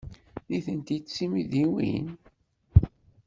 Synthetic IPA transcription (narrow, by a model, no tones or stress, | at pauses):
ðiθənt̪isimiðiwḭn